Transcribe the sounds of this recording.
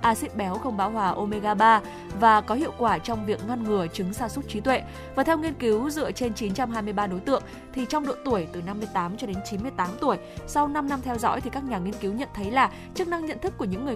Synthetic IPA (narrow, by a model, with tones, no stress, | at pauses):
ʔaː˧sḭ˧˥n̚ɓɛ˨˦wxə˧wŋ͡mɓaː˨˦wɦwaː˨˩ʔo˧me˧ɣaː˧ɓaː˧ | vaː˨˩kɔ˨˦hḭ˧˨əwkwaː˧˩t͡ɕɔ˧wŋ͡mvi˨˩ək̚ŋə˧nŋɨ˨˩ət͡ɕɨ˨˦ŋsaː˧su˦˥t̚t͡ɕi˨˦t̪wḛ˧˨ | vaː˨˩t̪ʰɛ˧wŋi˧ənki˨˦wzɨ̰˧ət͡ɕe˧nt͡ɕi˨˦nt͡ɕa˧mɦaː˧jmɨ˧əjɓaː˧ɗo˨˦jt̪ɨ̰˧˨əŋ | t̪ʰi˨˩t͡ɕɔ˧wŋ͡mɗo̰˧˨t̪u˧˩əjt̪ɨ˨˩na˧mːɨ˧əjt̪aː˨˦mt͡ɕɔ˧ɗe˨˦nt͡ɕi˨˦nmɨ˧əjt̪aː˨˦mt̪u˧˩əjsa˧wna˧mna˧mt̪ʰɛ˧wzɔ̰˧˥jt̪i˨˩ka˦˥k̚ɲaː˨˩ŋi˧ənki˨˦wɲə̰˧˨nt̪ʰə˨˦jlaː˨˩ | t͡ɕɨ˦˥k̚na˧ŋɲə̰˧˨nt̪ʰɨ˦˥kːu˧˩əɲɨ̰˧˥ŋːɨ˨˩ə˩